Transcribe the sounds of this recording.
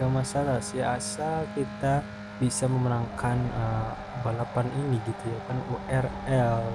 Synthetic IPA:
amasalasiasalkit̪a | bisaməmənaŋkanə | balapaniniɡit̪ujakanuʔɛrɛl

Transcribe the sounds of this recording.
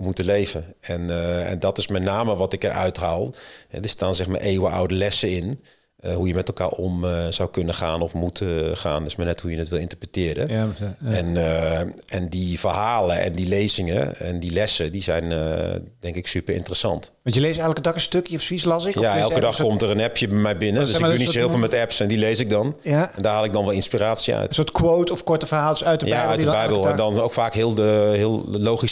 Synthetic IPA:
mutəleːvə | ɛnɛ̰ndɔtɪsmɛnaːməʋɔtɪkərʔœ̰ɥtɦaːlˠhɛ̰dəstaːnzɛxma̰ːɹʔeːwəʔa̰wdəlɛsəɪn | ɦujəmɛtɛlˠka̰ːɹɔmz̥awkɵnəxaːnɔfmutʰəxa̰ːndɪsmaːnɛthujənətʋɪlˠɪ̃ntərprətɪːɾə̰ | ɛn | ɛndifərhaːləʔɛ̰ndileːzɪŋəɛ̰ndilɛsədizɛjnə̰dɛŋkɪksypərɪ̰ntərəsɑ̰nt | ʋɑntjəlesɛjxləkədɔkəstøkjəɔfsʋislɑsɪkjaɛlˠkədɔxkkɔmtərənɛpʰjəbɛmɛjbɪnədøsynisɪːlˠfɔlˠmɛtɛpsɛndileːsɪk̚dɔnɛndaːhalˠɪk̚dɔnʋɛlˠɪnspiɾaːtsiœ̰ɥtsoːtkʰwoːtɔfkɔɹtəfəɦaːlˠsœɥtjaœɥdəbɛjbəlˠɛnndɔnowkfaːkɦɪəlˠdəhɪəlˠlowxis

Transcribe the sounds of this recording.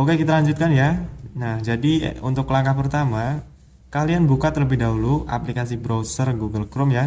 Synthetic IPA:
oɡakit̪alaɲd͡ʒut̪̚kanjanahd͡ʒadḭṵnt̪ʊkːlaŋkahpərt̪ama | kalianbukat̪ərləbɪhdaɦuluʔa̰plikasibɾowsərɡuɡəlkɾʊmja

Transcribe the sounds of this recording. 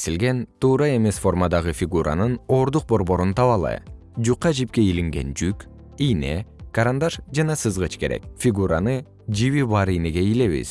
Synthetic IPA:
silɡe̞nt̪ʰuːɾɑe̞me̞sfo̞rmad̪ɑʁɯfʲiɡuɾʔa̰nɯno̞ːɾd̪uq̚bo̞ɾbo̞ɾunt̪ʰɑβɑlˠɯ̰j | d͡ʒuqːɑd͡ʒip̚ke̞iliŋɡe̞̰nd͡ʒyk | ijne̞kaɾand̪aʃd͡ʒɑnɑsɯzʁɯt͡ʃke̞ɾe̞̰k̚fʲiɡuɾanɯ | d͡ʒiβiβɑɾijne̞ɡe̞ile̞βḭz̥

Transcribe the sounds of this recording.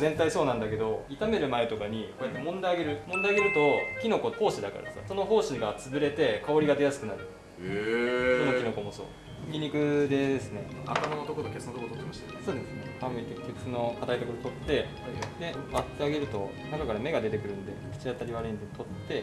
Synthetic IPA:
zẽ̞nt̪aiso̞ːnãnd̪ake̞d̪o̞it̪ame̞ɾɯ̟mae̞t̪o̞kaɲ̟ikoːjat̪ːemõ̞nd̪ajaɡe̞ɾɯ̟mõnd̪ajaɡe̞ɾɯ̟t̪o̞kʲino̞ko̞ko̞ːɕid̪aka̰ɾa̰d̪esa̰so̞no̞ɦo̞ːɕiɡat͡sɨbɯ̟ɾe̞t̪e̞kao̞ɾʲiɡad̪e̞jasɨ̥kɯ̟naɾɯ̟ | sonokʲino̞ko̞moso̞̰ː | kʲiɲ̟ikɯ̟d̪e̞d̪esɨneat̪amanot̪o̞kot̪okʲesɨnot̪okot̪ot̪ːemaɕi̥t̪so̞ːd̪esɨnemabɯɲike̞kʲːo̞kɯ̟̥sono̞kat̪ait̪okod̪ot̪o̞t̪ːe̞ | ad̪e̞mat̪ːeaɡe̞ɾɯ̟t̪o̞ | nakakaɾame̞ɡad̪e̞t̪e̞kɯ̟ɾɯ̟nd̪e̞̰kɯ̟t͡ɕiat̪aɾʲiβaɾe̟ɲd̪et̪ʰo̞t̪ːe̞

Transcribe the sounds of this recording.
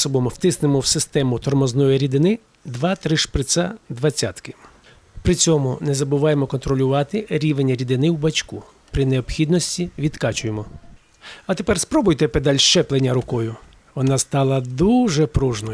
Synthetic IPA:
sɔbɔmwt̪ɪsnɪmɔwsɪst̪ɛmʊt̪ɔrmɔznɔjiɾʲid̪ɪnɪ | d̪ʋɑt̪ɾɪʃpɾɪt̪sɑd̪ʋɐt͡sʲa̰t̪kɪ̥ | pɾɪt͡sʲɔmʊnɛzɐbʊʋɑjemɔkɔnt̪ɾɔlʲʊʋɑt̪ɪɾʲiʋenʲːɐɾʲid̪ɪnɪwbɐt͡ʃku | pɾɪneɔpxʲid̪nɔsʲtʲiʋʲid̪kɑt͡ʃʊjemɔ | ɐt̪e̞pɛrspɾɔbʊjt̪ɛped̪ɑlʲʃt͡ʃɛplˠenʲːɐɾʊkɔjʊ | ʋɔnɑst̪ɑlˠɐd̪uʒɛpɾuʒnɔ

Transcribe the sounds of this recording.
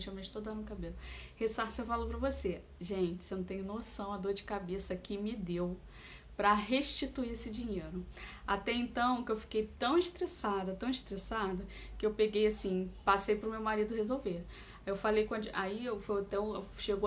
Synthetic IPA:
t͡ʃewmẽʒɪt̪od̪ɐ̃d̪ʊkabelʊhesasewfalowpɾɐvose | ʒẽt͡ʃɪ̥senɐ̃t̪ẽɲ̃ʊnosɐ̃w̃ɐd̪oɾd͡ʒɪkabesɐkɪmɪd̪ew | pɾɐɦeʃt͡ʃit̪uiesɪd͡ʒĩɲejɾʊat̪ɛẽnt̪ɐ̃w̃kɪewfi̥kejt̪ɐ̃w̃iʃt̪ɾesad̪ɐt̪ɐ̃w̃ɪst̪ɾesad̪ɐ | kɪewpeɡejasĩpasejpɾʊmewmaɾid̪ʊhezowveɾ | ewfalejkɐ̃d̪ʊʔaiewfojat̪ɛũʃeɡ

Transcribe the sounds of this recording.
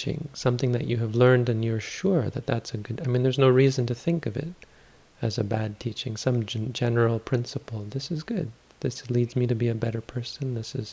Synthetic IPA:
t͡ʃɪ̰̃ŋsʌ̃mθɪ̃ŋðɨ̰t͡ʃɨɨvlɜ̃˞ndɨ̃njə˞ʃʊɹðɨ̰t̪̚ðætsɨɡʊdaɪmĩnðə˞znoʊɹizɨ̃n̩tɨθɪ̃ŋkʌvɪ̰ɾ | ɨzɨbæd̚tʰit͡ʃɪ̰̃ŋsʌ̃md͡ʒɛnə˞l̩ˠpʰɹ̥ɪ̃nsəpl̩ˠðɪsɨzɡʊd̪̚ | ðɪslidzmiɾɨbiɨbɛɾə˞pʰɜ˞sɨ̃n̩ðɪsɨz̥

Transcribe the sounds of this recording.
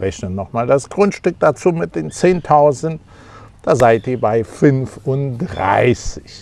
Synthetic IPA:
ʁɛçnənːɔχmaːldasɡ̥ʁʊntʃtʏk̚d̥at͡suːmɪt̚d̥eːnt͡seːntʰaʊzn̩t | d̥aːzaɪtiːɐbaɪfʏnfʊntd̥ʁa̰ɪsɪç

